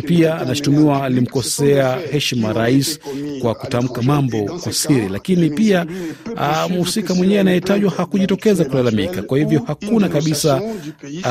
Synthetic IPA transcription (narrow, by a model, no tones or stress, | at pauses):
piaanaʃu̥tumiwaːlim̩kɔsɛahɛʃmaɾaisi̥kwaku̥tam̩kamambɔkwasiɾilakinipia | msikamwɛɲɛanajɛtaʄwahakuʄitɔkɛzakulalamikakwahivjɔhakunakaɓisa